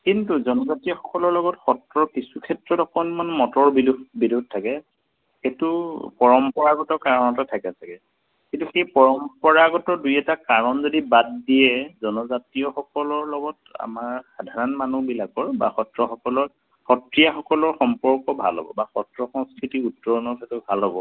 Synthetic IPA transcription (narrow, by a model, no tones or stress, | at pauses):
kintuzɔnɔzatijɔxɔkɔlɔɹlɔɡɔtxɔtɹɔkisukʰɛtɹɔtɔkʰɔnmanmɔtɔɹbilbidud̚ʱtʰakɛ | xetupɔɹɔmpɔɹaɡɔtɔɹkaɹɔnɔtatʰakɛsakɛ | kintuxejpɔɹɔmpɔɹaɡɔtɔɹdujɛtakaɹɔnzɔdibatdiɛzɔnɔzatijɔxɔkɔlɔɹlɔɡɔta̰maɹxadʱaɹɔnmanubilakɔɹba̰xɔtɹɔxɔkɔlɔɹ | xɔtɹijaxɔkɔlɔɹxɔmpɔɹkɔbʱa̰lɦɔ̰bɔ̰baxɔtɹɔxɔŋskʰɹitiutɹɔɔnɔɹkʰɛtɔbʱalɦɔbɔ